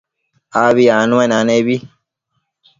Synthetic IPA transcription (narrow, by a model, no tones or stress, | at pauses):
aβianũenanebi